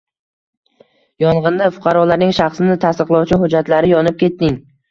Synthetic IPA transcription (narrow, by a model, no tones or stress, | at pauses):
jɒɴʁɨnd̪afʊqʰɑɾɒlaɾnɪŋʃaχsɪnɪt̪ʰast̪ɨqlˠɒwt͡ʃʰɪɦʊd͡ʒat̪laɾɪjɒnɪp̚kʲʰe̞t̪ːɪŋ